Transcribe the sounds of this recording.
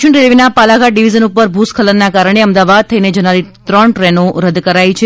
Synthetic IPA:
əɳɾelʋinapalaɡaɖiʋid͡ʒənupəɾbʱuskʰələɾnakaɾəɳ̃eəmd̪aʋad̪̚t̪ʰəined͡ʒənaɾit̪ɾəɳʈɾɛnoɾəd̪kəɾajt͡ʃʰe

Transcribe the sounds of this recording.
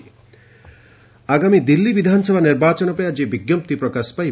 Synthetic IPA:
aɡamid̪ilːibid̪ʱansɔbʱaniɾbat͡ʃɔnɔpɔjad͡ʒebiɡjɔmp̚t̪ipɾɔkaspa

